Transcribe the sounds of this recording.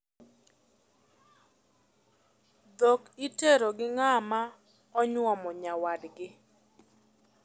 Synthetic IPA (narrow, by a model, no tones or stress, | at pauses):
d̪okiteɾoɡɪŋama | ɔɲwɔmɔɲawadɡɪ